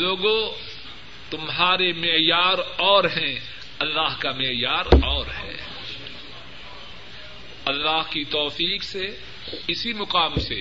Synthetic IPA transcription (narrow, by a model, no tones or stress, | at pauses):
loːɡõ | t̪ʊmɦaːɾemɪjaːɾɔːɾɦɛ̃ | ɐlːaːɦkamɪjaːɾɔːɾɦɛ̰ː | ɐlːaːɦkit̪ɔːfiːkse | ɪsimʊqaːmse